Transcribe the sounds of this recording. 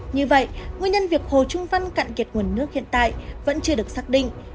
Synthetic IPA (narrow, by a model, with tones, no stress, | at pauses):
ɲɨ˧və̰˧˨jŋi˧əɲə˧nvi˨˩ək̚ho˨˩t͡ɕʊ˧ŋ͡mva˧nka̰ː˧˨ŋki˨˩ət̚ŋu˧˩ənːɨ˦˥ək̚hḭ˧˨ənt̪a̰ː˧˨jvə̰˧˥nt͡ɕɨ˧əɗɨ˨˩ək̚saː˦˥k̚ɗḭ̈˧˨ŋ